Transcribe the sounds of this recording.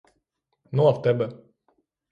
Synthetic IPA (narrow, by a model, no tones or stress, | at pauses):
nuaft̪ɛbɛ